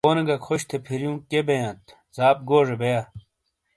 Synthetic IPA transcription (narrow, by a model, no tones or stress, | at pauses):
oːnɐɡɐkʰoɕt̪ʰepʰiɾjũːkebejãːt̪ | zaːp̚ɡoːʐebeja